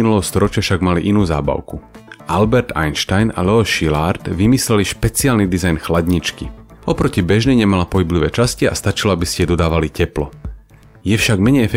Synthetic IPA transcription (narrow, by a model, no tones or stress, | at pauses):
inulɛɦɔst̪ɔɾɔt͡ʃɪafʃaɡmaliʔinuːza̰ːba̰ʊkuʔalbɛɾt̪a̰jnʃt̪ajna̰lɛɔʃilaɾt̪ʋimislɛliʃpɛt͡siaːlnid̪izajnxlaɟɲit͡ʃkiɔpɾɔcibɛʒnɛɲɛmalapɔɦibliʋɛːt͡ʃascia̰st̪at͡ʃilɔabiscɛɛd̪ɔd̪aːʋalicɛplɔ | jɛfʃaɡmɛɲɛjɛfɛ